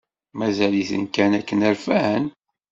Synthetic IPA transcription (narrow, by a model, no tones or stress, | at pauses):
mæzæliθə̰nkænækːənæɾfæhən